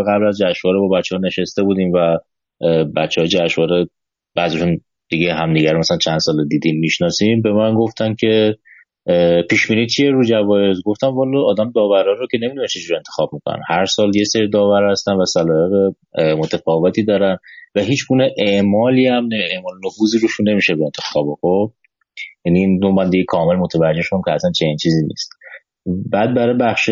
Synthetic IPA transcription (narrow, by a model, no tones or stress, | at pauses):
ɣæblæzd͡ʒæʃvɒːɾebɒbæt̪t͡ʃːehɒne̞ʃest̪e̞buːd̪iːmvæ | bæt̪t͡ʃːɛɒːjed͡ʒæʃvɒːɾe | b̥æziʃun | d̪̥iɡeɦæmd̪iɟæɾmæsælænt͡ʃʰænsɒːled̪iːd̪iːmmiʃnɒːsimbe̞mænɡo̞ft̪ʰæncʰe̞ | pʰiːʃbiːniːt͡ʃʰie̞ɾud͡ʒævɒːjezɡo̞ft̪æmvɒːlɒɒːd̪æmd̪ɒːvæɾɒːɾocʰe̞nemid̪unæt͡ʃʰed͡ʒuɾie̞nt̪ʰexɒb̥̚mikʰonæ̰nhæɾsɒːlje̞seɾid̪ɒːvæɾhæst̪ænvæsælɒːeɣe | mot̪ʰefɒːve̞t̪ʰiːd̪ɒːɾænvæɦiːt͡ʃʰɡuːneʔeʔmɒːliːæmneeʔmɒːlenofuːziːɾuʃune̞miːʃebeent̪ʰexɒːboxob | jæniːnd̪omænd̪ijikʰɒːme̞lmot̪ʰevæd͡ʒe̞hʃod̪æmcʰʲeæsænt͡ʃʰe̞nint͡ʃʰiːziːnḭst̪ | bæːd̪̚bæɾɒːjbæχʃe